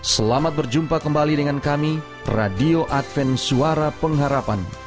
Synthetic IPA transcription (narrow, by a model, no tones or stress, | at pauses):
səlamat̪̚bərd͡ʒumpakəmbalidəŋankami | radioʔat̪fɛnsuaɾapəŋɦaɾapan